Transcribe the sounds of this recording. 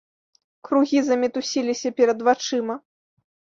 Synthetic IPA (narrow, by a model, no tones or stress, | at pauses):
kɾuɣʲizɐmʲɛt̪usʲilʲisʲɐpʲɛɾɐd̪vat͡ʂɨmɐ